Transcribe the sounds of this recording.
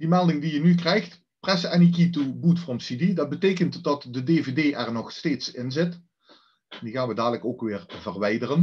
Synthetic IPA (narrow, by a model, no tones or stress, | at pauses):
dimɛlˠdɪŋdijənykrɛjxt | prɛsɛnikitubutfrɔmsididɑd̚bətejkəntdɑtdədeːvedeːʔɛrnɔχsteːtsɪnzɪt | ndiɣaːnʋədaːdələkoːkʋɪːrvərʋɛjdərən